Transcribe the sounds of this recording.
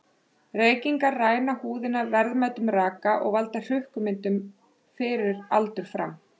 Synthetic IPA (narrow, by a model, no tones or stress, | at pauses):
reːjciŋkaɾraːjnahuːðɪnaɾvɛɾðmajt̪ʏmraːkaʔɔ̰ɣvalt̪ar̥ʏhkʏmɪnt̪ʏm | fɪɾɪɾalt̪ʏɾ̥fɾa̰m